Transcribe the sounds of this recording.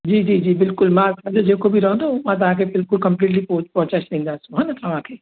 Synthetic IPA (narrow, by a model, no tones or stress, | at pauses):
d͡ʒiːd͡ʒiːd͡ʒiːbɪlkʊlmãsɐd͡ʒod͡ʒekobʱiɾɐɦõd̪amãt̪̬ɐɦãkebɪlkʊlkɐ̃mpliːʈ̬lipopɔːt͡ʃaʃnĩːnd̪asũɦɛ̃ːnat̪ɐɦãkʰe